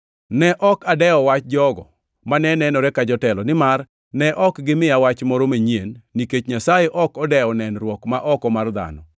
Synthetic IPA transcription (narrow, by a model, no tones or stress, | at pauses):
nɛʔɔkadɛɔwat͡ʃd͡ʒɔɡɔ̰ | manɛnɛnɔɾɛkad͡ʒɔtɛlɔnɪmar | nɛʔɔkɡɪmɪjawat͡ʃmɔɾomeɲjenːiket͡ʃɲasajeʔɔkɔdɛɔnɛnɾwɔkmaʔɔkɔmard̪a̰nɔ̰